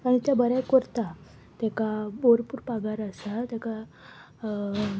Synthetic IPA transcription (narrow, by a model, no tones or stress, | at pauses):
kaɽ̃it̪jabəɾajkɔɾt̪a | t̪ɛkaboɾpuːɾpaɡaɾəsat̪eka